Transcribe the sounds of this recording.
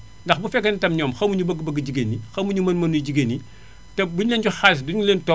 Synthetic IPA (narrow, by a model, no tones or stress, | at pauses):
ndɐxbufɛkːɐntɐmɲɔːmxɐmuɲubəɡbɐɡɟiɡenːixɐmuɲumɐnmɐnuɟiɡenːi | tɛbuɲlɛːnɟuxasduɲuleːntɔ